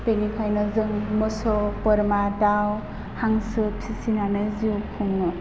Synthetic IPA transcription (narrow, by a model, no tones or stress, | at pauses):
tenikʰajnɔzɯŋmɯsɔpɔɾmadaw | haŋsɯpʰisinanɯziukʰuŋnɔ